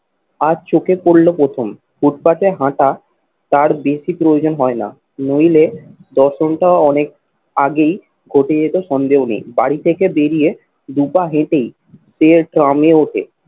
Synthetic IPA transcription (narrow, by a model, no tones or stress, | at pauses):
ad͡ʑt͡ɕokepoɽlopɾot̪ʰom | buʈpat͡ɕeɦãʈa | t̪aɾbeʃipɾojod͡ʑonɦɔena̰ | nojled̪ɔɾʃonʈaoɔnek̚ | aɡej | ɡʱoʈed͡ʑet̪oʃɔnd̪eɦonḛjbaɽit̪ʰekebeɾije | d̪upaɦẽʈej | ʃeɾʈɾameoʈʰḛ